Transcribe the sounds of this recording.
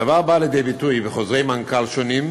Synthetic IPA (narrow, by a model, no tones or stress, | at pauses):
avabaːljed̪ejbit̪ujbeχozʁejmaŋkalʃonim